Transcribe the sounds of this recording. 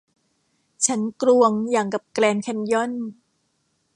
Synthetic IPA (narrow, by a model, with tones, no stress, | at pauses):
t͡ɕʰa˦˥nkɾu˧əŋjaː˨˩ŋka˨˩p̚klɛː˧nkʰɛ˧njɔ˥˩˨n